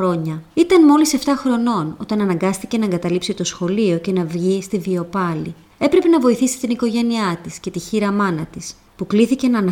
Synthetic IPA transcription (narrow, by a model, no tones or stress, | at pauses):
ɾo̞ɲɐit̪ɐnmo̞lise̞ft̪ɐxɾo̞no̞no̞t̪ɐnɐnɐŋɡɐst̪ice̞nɐeŋɡɐt̪ɐlipsit̪o̞sxo̞lio̞ce̞nɐvʝist̪ivio̞pɐlḭ | e̞pɾe̞pe̞nɐvo̞iθisi̥t̪iniko̞ʝe̞niɐt̪isce̞t̪içiɾɐmɐnɐt̪is | pukliθice̞nɐnɐ